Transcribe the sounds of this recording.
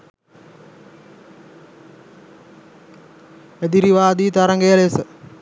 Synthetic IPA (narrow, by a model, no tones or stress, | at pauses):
ed̪iɾiʋaːd̪iːt̪aɾɐŋɡejəlesə